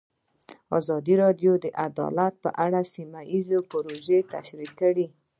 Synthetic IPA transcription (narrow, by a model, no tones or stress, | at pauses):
ɑzɑd̪iɾɑdjod̪əʔad̪ɑ̰lat̪̚pə̰ʔaɽasimaʔizopʊɾoʒet̪a̰ʃɾikːəɽi